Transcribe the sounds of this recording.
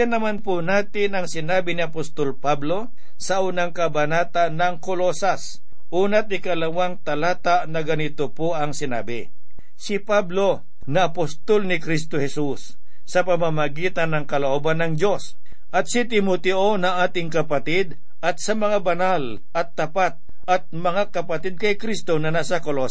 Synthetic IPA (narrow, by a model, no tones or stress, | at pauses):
janɐmanponaːt̪ɪnɐŋsɪnaːbɪnɪɐpost̪olpablo̞ | sɐʔuːnaŋkɐbɐnaːt̪anːɐŋkolosas | ʔuːnɐt̪̚ɪkɐlɐwaŋt̪ɐlaːt̪aʔnɐɡɐnɪt̪opoʔɐŋsɪna̰ːbɪ | sɪpablo̞ | nɐɐpost̪olnɪkɾis̬t̪ohɛsusː | ɐpɐmamɐɡiːt̪ɐnːɐŋkɐloʔoːbɐnːɐŋd͡ʒo̞s | ʔɐt̪̚sɪt̪ɪmot̪ɛʔonɐŋaːt̪ɪŋkɐpɐt̪ɪd̪ | ʔɐt̪̚sɐmɐŋabɐnal | ʔɐt̪ːɐpat̪̚ | ʔɐt̪̚mɐŋakɐpɐt̪ɪd̪̚kɐjkɾist̪o̞nɐnasɐkolo